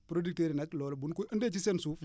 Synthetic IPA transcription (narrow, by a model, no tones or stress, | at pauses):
pɾodik̚teɾinɐklɔːlbunkuʔəndɛt͡ʃisɛnsuːf